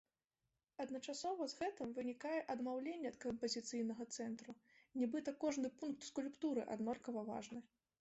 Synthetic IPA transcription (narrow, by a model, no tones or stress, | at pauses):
ɐd̪nɐt͡ʂasɔvɐzɣɛt̪ɨmvɨnʲikajɛʔɐd̪mawlʲenʲːɛɐt̪kɐmpɐzʲit̪sɨjnɐɣɐt̪sɛnt̪ɾunʲɛbɨt̪ɐkɔʐnɨpunk̚t̪skulʲpt̪uɾɨ̰ʔa̰d̪nɔlʲkɐvɐva̰ʐnɨ